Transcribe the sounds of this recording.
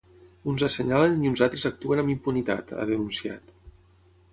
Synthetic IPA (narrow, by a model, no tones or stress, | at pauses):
unzəsəɲaləniunzalˠt̪ɾəzək̚t̪uənəmimpunit̪a̰t̪a̰ðənunsia̰t̪